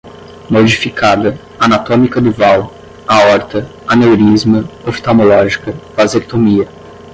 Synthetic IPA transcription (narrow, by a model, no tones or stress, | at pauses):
mod͡ʒifikʰad̪ɐ | anat̪õmikɐd̪ʊvaw | aɔɾt̪ɐ | anewɾizmɐofi̥t̪amolɔʒikɐv̥azeɾt̪omiɐ